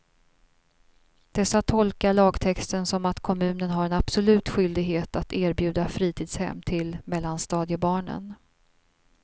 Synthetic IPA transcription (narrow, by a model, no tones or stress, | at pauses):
d̪̥ɛsːat̪ʰɔlkaɭɑːɡt̪ʰɛkst̪ənsɔmat̪kʰɔmʉ̟ːnənɦaɾɛnab̥sɔlʉ̟ːt̪ɧʏld̪ɪɡɦeːt̪at̪eːɾbjʉ̟ːd̪afɾiːt̪ʰiːd̪shɛ̰mːt̪ʰɪlmɛlːanst̪ɑːd̪jəbɑːɳə̰n